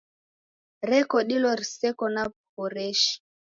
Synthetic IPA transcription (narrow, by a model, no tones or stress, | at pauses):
ɾɛkɔɗilɔɾisɛkɔna | pɔɾɛʃi̥